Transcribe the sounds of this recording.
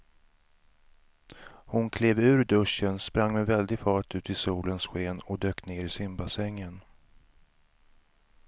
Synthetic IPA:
hʊnkʰleːvʉ̟ːɾd̪ɵʂənspɾaŋːmɛvɛld̪ɪfɑːʈʉ̟ːt̪ɪsuːlənsɧeːnɔd̪øːkneːɾɪsɪmbasɛŋːən

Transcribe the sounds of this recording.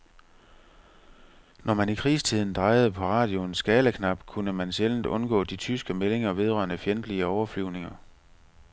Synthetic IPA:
nɒmænikʰʁḭːst͡sʰið̰ˠn̩d̥ʁɑ̈ɪð̞̩ˠəpʰɒ̽ʁɑ̰̈ːd̥jo̝nsɡ̥ɛːləkʰnɑ̈b̥kʰunəmænsɕeln̩d̥ɔ̽nɡ̥ɔ̰ːd̥it͡sʰysɡ̥əmele̝ŋɐʋe̝ð̞ˠʁɶ̰ɐnəfjend̥liəɒʊɐflyʊne̝ŋɐ

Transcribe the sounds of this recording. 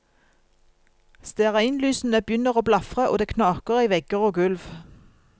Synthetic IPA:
st̪eːʁɑɪnlyːsn̩əbjʏnəʁoːblɑfʁəʔo̰ːd̪eːkʰnɑːkəʁiːʋɛɡəʁoːɡʉlʋ

